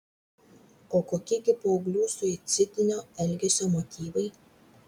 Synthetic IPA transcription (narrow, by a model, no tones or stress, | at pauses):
oːkoːkʲɪɡʲɪpoːʊɡlʲuːsʊɪt̪sʲɪt̪ʲɪnʲoːɛlʲɡʲɛsʲoːmot̪ʲiːʋɐɪ